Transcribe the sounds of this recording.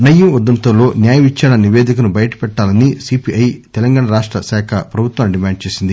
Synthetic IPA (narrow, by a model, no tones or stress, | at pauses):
nɐjːuʋɐd̪ːɐnt̪ɐmlo̞ːnjaːjɐʋit͡ʃːɐnɐniʋeːd̪ʱikɐnubɐjɐʈɐ̥pɛʈːaːlɐnisipiʔɐjt̪ɛlɐŋɡaːɳɐɾaːʂʈɾɐsaːkʰɐpɾɐbʱut̪ʋaːmɖimaːɳɖ̚t͡ʃe̞ːsind̪i